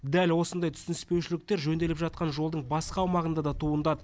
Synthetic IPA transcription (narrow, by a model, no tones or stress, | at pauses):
d̪ælwo̞sənd̪ɑjt̪ʰʏ̥sɪnɪspe̞wʃɪlɪk̚t̪e̞ɾʒɵnd̪e̞lɪpʒɑt̪̚qɑnʒo̞lˠd̪əɴbɑsqəɑːwmɑʁənd̪ɑd̪ɑt̪ʰuənd̪ɑd̪ə